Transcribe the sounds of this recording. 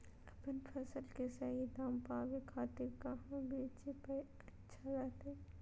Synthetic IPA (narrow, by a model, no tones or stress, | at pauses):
ɐpənpʰɐsəlkesɐɦid̪ãːmpaːʋekʰaːt̪ɪɾkaɦãbʱeːt͡ʃepɐ | ɐtːʃʰazat̪ɛː